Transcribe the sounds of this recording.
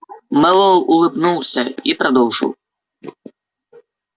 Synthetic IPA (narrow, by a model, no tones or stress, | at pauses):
mɛlˠɔlˠulˠɨpnuwsʲɐipɾad̪ɔwʐɨ̰w